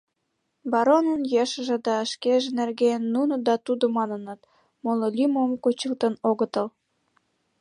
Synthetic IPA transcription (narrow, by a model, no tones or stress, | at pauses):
bɑɾonənjeʃə̆ʒĕd̪ɑəʃkeʒĕnerɣeənːunod̪ɑt̪ud̪omɑnənət̪̚ | mololymomkut͡ɕəlt̪ə̆noɣət̪əl